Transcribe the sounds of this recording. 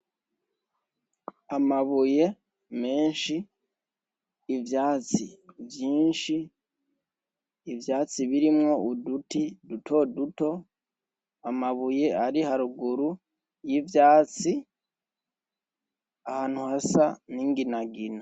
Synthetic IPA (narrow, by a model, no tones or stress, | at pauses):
amaβuje̞ | me̞ːnʃi | vjaːt͡sivjiːnʃi | vjaːt͡siβiɾimŋo̞udutidutʰo̞duto̞ | amaβuje̞aɾihaɾuɡuɾu | jivjaːt͡si | ahaːn̥huhasaniŋɡinaɡina